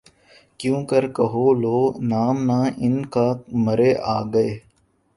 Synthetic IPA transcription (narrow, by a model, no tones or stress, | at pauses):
kjũːkəɾkəɦoːloːnaːmnãːʔɪnkaːməɾeːʔaːɡəeː